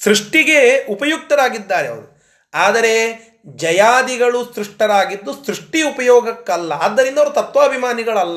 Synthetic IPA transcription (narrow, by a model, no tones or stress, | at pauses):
sɾuʂʈiɡe̞upɐjuk̚t̪ɐɾaːɡid̪ːaːɾeɐ̰ʋɐɾu | aːd̪ɐɾe̞ | d͡ʒɐjaːd̪iɡɐɭusɾuʂʈɐɾaːɡid̪ːusɾuʂʈiupɐjɔːɡɐkːɐlːɐɐd̪ːɐɾind̪ɐʋɐɾut̪ɐt̪ʋɐːbʱimaːniɡɐɭɐlːɐ